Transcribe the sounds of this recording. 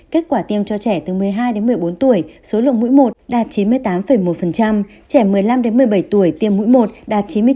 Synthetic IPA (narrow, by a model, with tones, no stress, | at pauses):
ke˦˥t̚kwaː˧˩t̪i˧əmt͡ɕɔ˧t͡ɕɛ˧˩t̪ɨ˨˩mɨ˨˩əjɦaː˧jɗe˨˦mɨ˨˩əjɓo˨˦nt̪u˧˩əjso˨˦lɨ̰˧˨əŋmṵ˧˥jmo˨˩t̚ɗaː˨˩t̚t͡ɕi˨˦nmɨ˧əjt̪aː˨˦mfə˧˩jmo˨˩t̚fə˨˩nt͡ɕa˧m | t͡ɕɛ˧˩mɨ˨˩əjla˧mɗe˨˦nmɨ˨˩əjɓə˧˩jt̪u˧˩əjt̪i˧əmːṵ˧˥jmo˨˩t̚ɗaː˨˩t̚t͡ɕi˨˦nmɨ˧ə˧